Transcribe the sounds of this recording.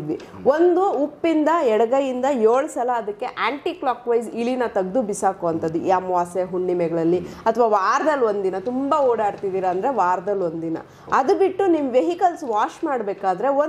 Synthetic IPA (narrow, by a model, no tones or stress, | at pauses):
ʋi | o̞nd̪uːpːind̪ɐɛɽɐɡɐjind̪ɐjoːɭsɐlɐːd̪ɐkːe̞ʔaːɳʈiːklaːkʋɐjsiɭinɐt̪ɐɡd̪ubisaːkoɐnt̪ɐd̪ṵjaːmʋaːseɦuɳɖimɛɡɐɭɐlːiɐt̪ʰʋaːʋaːɾd̪ɐlːo̞nd̪inɐt̪umbaoːɽaːɽt̪id̪iːɾɐːnd̪ɐɾe̞ʋaːɾd̪ɐlo̞nd̪inɐ̰ | ɐd̪ubiʈːunimʋeɦikɐlsʋaːʃmaːɽbeːkaːd̪ɐɾe̞o